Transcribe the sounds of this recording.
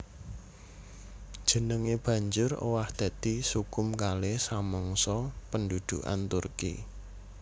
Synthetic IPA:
d̥ʒ̥ə̤nəŋeb̥ä̤ɲd͡ʒʊro̰wahd̪̥a̤d̪̥isukʊmkalesaməŋsɔpəndud̪̥ṵʔa̰nt̪urkḭ

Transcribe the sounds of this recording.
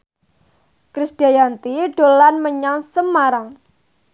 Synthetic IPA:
kɾisd̥iajant̪iɖ̥olanməɲaŋsəmaɾaŋ

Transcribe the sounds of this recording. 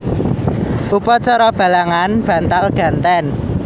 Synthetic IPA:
ʔupɔt͡ʃɔɾɔb̥ä̤laŋanb̥ä̤nt̪alɡ̥ä̤nt̪ɛn

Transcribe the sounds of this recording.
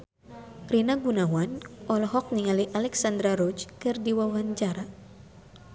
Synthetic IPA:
rinaɡunawanʔɔlɔɦɔk̚niŋaliʔalɛksand̪ɾaɾɔt͡ʃkɨrdiwawaɲt͡ʃaɾa

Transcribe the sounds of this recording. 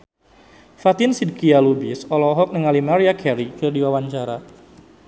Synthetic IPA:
fat̪ɪnsid̚kialubisɔlɔɦɔk̚nəŋalimaɾiakʰɛɾikɨrdiwawaɲt͡ʃaɾa

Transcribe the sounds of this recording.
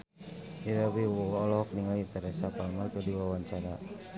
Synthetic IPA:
iɾawiɔlɔhɔk̚niŋalit̪əɾɛsapalmarkədiwawaɲt͡ʃaɾa

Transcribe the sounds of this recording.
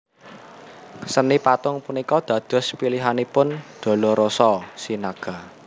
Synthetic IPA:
sənipat̪ʊŋpunikɔd̪̥ä̤d̪̥ɔ̤spiliɦanipʊnd̪̥ɔ̤lɔɾosɔsinaɡ̥a̤

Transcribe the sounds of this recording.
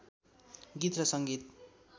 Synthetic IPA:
ɡit̪rʌsʌŋɡit̪

